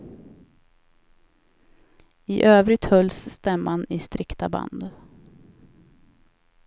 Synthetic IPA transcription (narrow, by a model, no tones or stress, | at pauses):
ɪʔøːvɾɪt̪hœlːsːt̪ɛmːanɪst̪ɾɪkt̪aba̰nd̪